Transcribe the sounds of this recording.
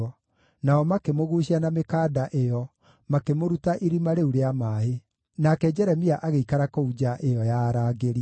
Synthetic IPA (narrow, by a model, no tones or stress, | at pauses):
ɔ | naɔmakemoɣuɕianamekaːdaʔejɔ | makemoɾutaʔiɾimaɾeuɾeamaːɦe | nakɛd͡ʑɛɾɛmiaʔaɣeikaɾakoud͡ʑaʔejɔjaɾaːɣeɾi